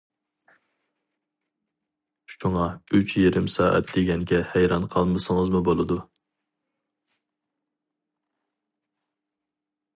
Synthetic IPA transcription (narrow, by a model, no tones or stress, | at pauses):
ʃuŋɑyt͡ʃʰjeɾɪmsɑːʔɛ̰t̪̚d̪̥eɡʲɛŋɡʲɛhæjɾɑnqʰɑlˠmɨsəŋəzmubolˠɨd̪u